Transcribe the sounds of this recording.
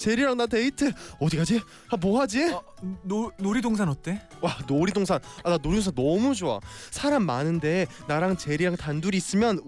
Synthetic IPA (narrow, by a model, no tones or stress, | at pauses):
t͡ɕe̞ɾiɾaŋnateitʰɯʌdik͈ad͡ʑi | amoɦad͡ʑi | nonoɾidoŋs̬ʰanʌt͈e | wanoɾidoŋsʰanananoɾidoŋsʰanʌmud͡ʑoa̰sʰaɾamːanɯnde̞naɾaŋt͡ɕe̞ɾiɾaŋtanduɾiːs͈ɯmjʌn